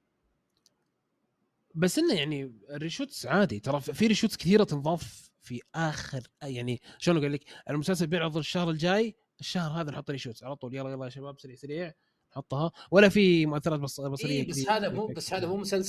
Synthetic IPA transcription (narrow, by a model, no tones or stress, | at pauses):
basːʔɪnːajaʕnirːɪʃuːt̪sʕaːd̪it̪ɑɾˤɑffiɾɪʃuːt̪skɪθiːɾat̪ɪnðˤɑːf | fiʔaːxɪɾjaʕniʃoːnɡʊlːikʔɪlmʊsals̬albeːnʕʊðˤʊɾɪʃːahɾɪld͡ʒaːj | ɪʃːahɾˤɦaːðanħʊt̪ˤːɾɪʃuːt̪sʕalɑt̪ˤuːljɑlˤɑjɑlːɑjʃabaːbsaɾiːʕsaɾiːʕ | nħʊt̪ˤːhɑwɪlːafimʊʔaθːɑɾˤɑːt̪bbɑsˤɑɾɪjːahaːðabasːhaːðamuːmʊsals